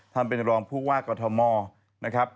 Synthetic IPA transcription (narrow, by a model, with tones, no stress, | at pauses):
t̪ʰa˥˩npe˨˧nɾɔː˧ŋpʰuː˥˩waː˥˩kɔː˧t̪ʰɔ˧mɔː˧ | na˦˥kʰɾa˦˥p̚